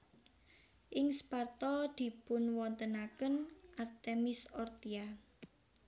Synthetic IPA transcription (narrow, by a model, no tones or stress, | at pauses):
ʔɪŋspart̪ɔd̪̥i̤pʊnwɔnt̪ənakənʔart̪emɪsɔrt̪ia